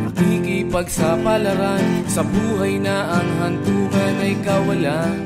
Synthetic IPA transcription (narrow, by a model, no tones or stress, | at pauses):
ɐkiːkipɐɡsapalɐɾansɐbuːɦɐjnaʔɐŋɦɐnt̪uːɡanɐjkawɐla